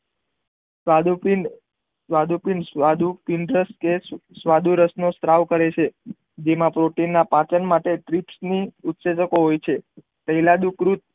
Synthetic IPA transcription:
au | sʋad̪upinsad̪upiɳɖɾəskessʋad̪uɾəsnost̪ɾaʋkəɾet͡ʃʰe | d͡ʒemãpɾoʈinːapãt͡ʃənmaʈeʈ̪ɾipsniut̪sed͡ʒəkoɦojt͡ʃʰe | t̪əɦilad̪ukɾut̪̚

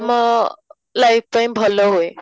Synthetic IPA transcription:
mʌ | lajp̚ʰpajmbʱʌloɦoj

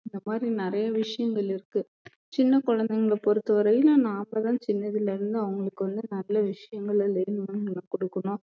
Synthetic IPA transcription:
ɪnd̪ɐmaːd̪ɾinɪɾɐjɐʋɪʂɐjɐŋɡɐɭɪɾɯkːɯ | t͡ʃɪnːɐkɔɻɐnd̪ɛŋɡɐɭpɔɾɯt̪ːɐʋɐɾɐjɪlõːnaːmɐðãːt͡ʃɪnːɐðɪlɪɾɯnd̪ɯɐʋɐŋɡɐɭɯkːɯʋɐnd̪ɯnɐlːɐʋɪʂɐjɐŋɡɐɭɐleːnɯmɐnɐlːɐkɔɽɯkːɐnõː

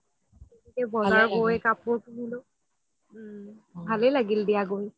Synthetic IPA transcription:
itikɛbɔzaɹɡojkapʊɹkunilʊ | bʱalɛlaɡildijaɡoj

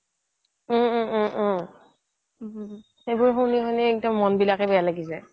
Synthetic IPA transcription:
xejbʊɹxoniɦɔjnɛːk̚dɔmɔnbilakɛbɛjalaɡisɛ

